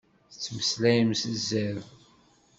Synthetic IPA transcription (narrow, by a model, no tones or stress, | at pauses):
θət͡sːməslæjəmsəzːæð